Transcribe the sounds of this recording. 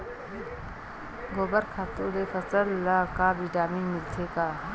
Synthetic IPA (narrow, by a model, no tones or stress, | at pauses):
ɡoːbəɾkʰaːt̪uːɾepʰəsəlːakabiʈaːmiːnmɪlt̪ʰeːkaː